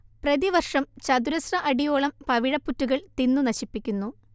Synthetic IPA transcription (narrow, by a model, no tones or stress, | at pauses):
prɐðiʋɐrʂɐmt͡ɕɐd̪uɾɐsrɐʔɐɽijo̞ːɭɐmpɐʋiɻɐpːutːuɣɐɭt̪inːunɐɕipːikʲːunːu